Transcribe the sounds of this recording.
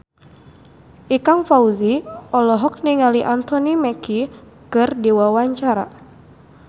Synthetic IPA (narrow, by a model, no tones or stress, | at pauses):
ʔikaŋfauziɔlɔɦɔk̚niŋaliʔant̪ɔnimɛki | kɨrdiwawaɲt͡ʃaɾa̰